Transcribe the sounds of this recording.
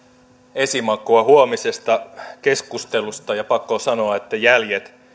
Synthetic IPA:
e̞simɑkˑoɑɦuomise̞st̪ɑke̞skust̪e̞lust̪ɑjɑpɑkːosɑno̞ɑet̪ːæjæljet̪

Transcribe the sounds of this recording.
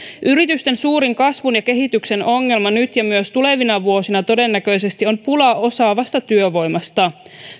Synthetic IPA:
ʔyɾit̪yst̪e̞nsuːɾiŋkɑsʋunjɑke̞ɦit̪ykse̞no̞ŋːelmɑnyt̪jɑmyøst̪ule̞ʋinɑʋuo̞sinɑt̪o̞de̞nːækø̞jse̞st̪io̞mpulɑo̞sɑːʋɑst̪ɑt̪yøʋo̞jmɑst̪ɑ

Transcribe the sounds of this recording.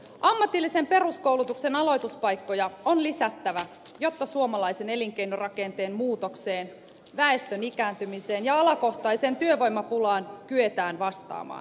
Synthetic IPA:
ʔɑmːɑt̪ilːise̞mpe̞ruskouwlut̪ukse̞nɑlo̞jt̪uspɑjkːo̞jɑonlisæt̪ːæʋæ | jo̞t̪ːɑsuomɑlɑjse̞ne̞liŋk̟ejnorɑke̞nt̪e̞ːnmuːt̪o̞kseːn | ʋæe̞st̪ønikæːnt̪ymise̞ːnjɑɑlɑko̞xt̪ɑjse̞ːnt̪yøʋo̞jmɑpulɑːnkye̞t̪æːnʋɑst̪ɑ̰ːmɑ̰ːn

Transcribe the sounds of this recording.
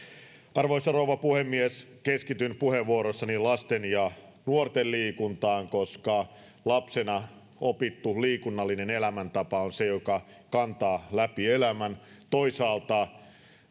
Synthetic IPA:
ɑrʋoisɑrouʋɑpuhemːieskeskit̪ynpuheʋʋuoɾosːɑnilɑst̪enjɑ | nuort̪elliːkunt̪ɑːŋkoskɑ | lɑpsenɑ | opit̪ːuliːkunːɑlːinenelæmænt̪ɑpɑonsejokɑ | kɑnt̪ɑːlæpielæmænt̪oisɑːlt̪ɑ

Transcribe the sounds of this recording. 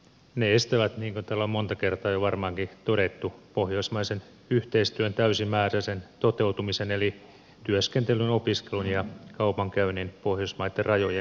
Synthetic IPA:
neest̪æʋæt̪niːŋkont̪æːlːommo̞nt̪ɑkert̪ɑːjoʋɑrmɑːŋkit̪oɾet̪ːupo̞hjoismɑisen | yht̪eist̪yønt̪æysimæːræsent̪o̞t̪e̞ut̪umiseneli | t̪yøskent̪elynopiskelunjɑkɑupɑŋkæyninpo̞hjoismɑit̪ːerɑjoje

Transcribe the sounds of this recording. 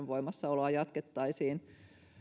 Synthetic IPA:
ʋʋoimɑsːɑoloɑjɑt̪ket̪ːɑisiːn

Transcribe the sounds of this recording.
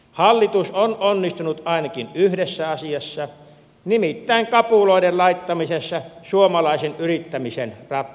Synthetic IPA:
hɑlːit̪usonʔonːist̪unut̪ɑˑinɑkinyhdesːæɑsiɑsːɑ | nimit̪ːæˑiŋkɑpuloˑidellɑit̪ːɑmisesːɑsuomɑlɑˑesenʔyrit̪ːæmisenrɑt̪ːˑ

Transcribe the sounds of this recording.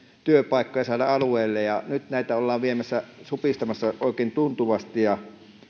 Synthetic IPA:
t̪yøpɑˑikːojɑsɑˑːlɑɑlueˑːlːejjɑnyt̪næˑit̪æolːɑːʋʋiemæsːæsupist̪ɑmɑsːɑʔoˑekˑeˑːnt̪unt̪uʋɑst̪ijɑ

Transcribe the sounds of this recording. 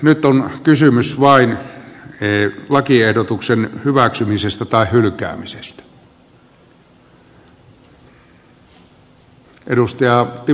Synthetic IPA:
nyt̪onkysymysʋɑin | eːlɑkiehdot̪uksenhyʋæksymisest̪æt̪ɑehhylkæ̰ːmisest̪æ̥ | ʔeɾust̪ɑjɑt̪i

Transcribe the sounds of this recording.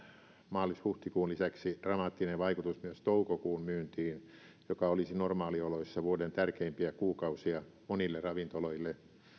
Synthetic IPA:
mɑːlishuht̪ikuːnlisæksi̥rɑmɑːt̪ːineʋɑikut̪usmyøst̪oukokuːlmyːnt̪iːn | jokɑolisinormɑːlioloisːɑʋuodent̪ærkeimpiækuːkɑusiɑmonilːerɑʋint̪oloilːe

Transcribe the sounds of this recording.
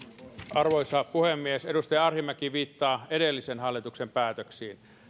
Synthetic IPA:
ɑrʋoijsɑːpuhemːiesedust̪ɑjɑɑrhimækiʋiːt̪ːɑːedelːisenhɑlːit̪uksempæːt̪øksiːn

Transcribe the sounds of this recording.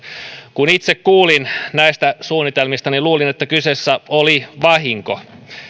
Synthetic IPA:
kunit̪sekkuːlinnæist̪æsuːnːit̪elmist̪ɑniluːlinet̪ːækysesːæoliʋɑɦiŋko̰

